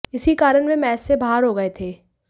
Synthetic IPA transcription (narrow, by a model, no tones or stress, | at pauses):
ɪsikaːɾəɽmẽmɛːsːebaːaɾɦoːɡɐet̪ʰeː